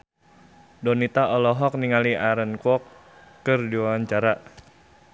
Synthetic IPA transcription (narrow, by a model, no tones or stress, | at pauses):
dɔnit̪aʔɔlɔɦɔk̚niŋaliaɾənkɔkː | ərdiwaaɲt͡ʃaɾa